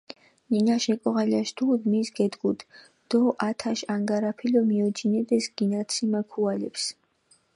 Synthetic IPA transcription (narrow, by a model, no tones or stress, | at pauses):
ninaʃɛkʼɔʁaliaʃd̪ʰud̪misɡɛd̪ɡud̪ | d̪̥ɔʔat̪ʰaʃaŋɡaɾapʰilɔmiɔd͡ʒinɛd̪ɛsɡ̥inat̪sʰimakʰualɛps